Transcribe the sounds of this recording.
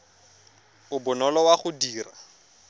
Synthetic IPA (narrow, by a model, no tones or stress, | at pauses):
ʊbʊnɔlɔwaχʊdiːra̰